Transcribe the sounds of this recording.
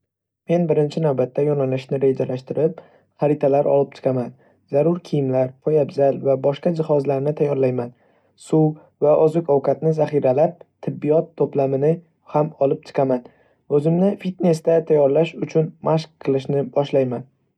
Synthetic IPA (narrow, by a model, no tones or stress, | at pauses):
me̞nbɪɾɪnt͡ʃʰɪnawbat̪ʰːajɒnalɪʃnɪɾe̞d͡ʒalaʃt̪ɪɾɪp̚ | χaɾɪt̪ʰalaɾʔɒ̰lˠɪp̚t͡ʃʰɨ̥qʰɑman | zaɾʊɾkʲʰijɪmlaɾpʰɒjabzalvabɒʃqad͡ʒɪχɒzlaɾnɪt̪ʰajːɒɾlajman | su | vaʔɒzʊkʲʰɒwkʰat̪nɪzaχiɾalap̚t̪ʰɪbːijɒt̪ʰːoplamɪnɪ | hamɒlˠɪp̚t͡ʃ̪ʰɨ̥qʰɑman | ɵzɪmnɪfit̪ne̞st̪at̪ʰajːɒɾlaʃʊt͡ʃʰʊnmʔaʃq̚qʰːɨlˠɪʃnɪbɒʃlajman